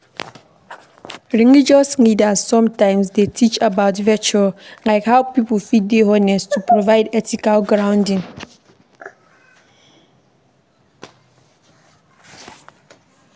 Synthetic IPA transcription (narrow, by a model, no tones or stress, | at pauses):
ɹĩŋid͡ʒɔslidazsɔ̃mtãɪmsdetʰit͡ʃabaʊtvɛt͡ʃulaɪkhapiplfideɦɔnɛstʰupɹovaɪdɛtikalɡɹãʊ̃ndĩŋ